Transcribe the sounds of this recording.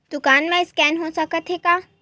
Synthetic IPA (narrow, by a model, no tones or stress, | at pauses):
d̪̥ʊkaːnmẽɪskɛːnɦosəkət̪ɦekaː